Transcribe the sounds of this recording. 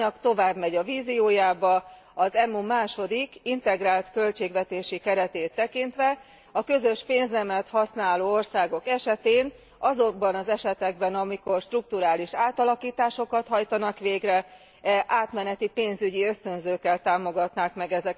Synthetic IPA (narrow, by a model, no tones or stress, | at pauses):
ɒkt̪o̞vaːbmɛɟɒviːzioːjaːbɒ | ɒzɛmumaːʃo̞d̪ikint̪ɛɡraːlt̪kø̞lt͡ʃeːɡʋɛt̪eːʃikɛɾɛt̪eːt̪ːɛkint̪ʋɛ | ɒkø̞zø̞ʃpeːnzɛmɛt̪hɒsnaːloːo̞rsaːɡo̞kɛʃɛt̪eːn | ɒzobɒnɒzɛʃɛt̪ɛɡ̚bɛnɒmiko̞rʃt̪ruk̚t̪uɾaːliʃaːt̪ɒlɒkiːt̪aːʃo̞kɒt̪hɒjt̪ɒnɒkʋeːɡrɛ | ɛʔaːt̪mɛnɛt̪ipeːnzyɟiø̞st̪ø̞nzøːkːɛlt̪aːmo̞ɡɒt̪naːkmɛɡɛzɛ